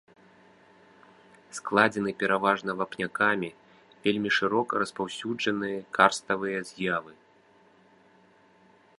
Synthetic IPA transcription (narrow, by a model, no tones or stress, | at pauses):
sklˠad͡zʲɛnɨpʲɛɾavaʐnɐvapnʲakamʲi | vʲelʲmʲiʂɨɾɔkɾɐspawsʲud͡ʐɐnɨjɐkʰarst̪ɐvɨjɐzʲjavɨ